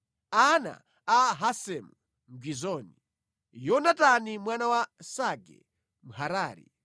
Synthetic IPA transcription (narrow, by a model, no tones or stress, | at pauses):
ana̰ː | ɦasɛmu | m̩ɡwizɔːni | jɔnatanimwanawasaɡɛ̰ | m̩haɾaːɾḭ